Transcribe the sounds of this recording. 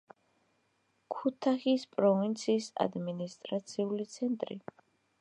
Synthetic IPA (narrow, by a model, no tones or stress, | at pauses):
kʰut̪ʰaχispʼɾɔvint̪sʰiːsa̰d̪minist̪ʼɾat̪sʰiulit̪sʰɛnt̪ʼɾḭ